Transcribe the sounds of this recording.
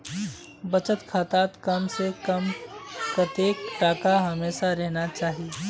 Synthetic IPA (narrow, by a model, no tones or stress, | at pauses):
bɐt͡ʃət̪kʰaːt̪aːt̪kɐmsekɐmpɾɐt̪eːk̚ʈaːkaɦɐmeːʃaɾɛɦnat͡ʃaːɦie